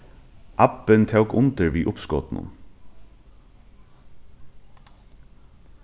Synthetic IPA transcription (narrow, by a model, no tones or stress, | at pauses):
ʔapːɪnt̪ʰɛwkʊnt̪əɹʋiːʔʊpskɔ̰ːt̪nʊ̰n